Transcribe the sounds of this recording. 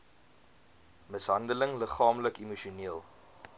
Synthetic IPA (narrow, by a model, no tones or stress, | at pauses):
məsɦɐndələŋləχɑːmləkimuʃuniəlˠ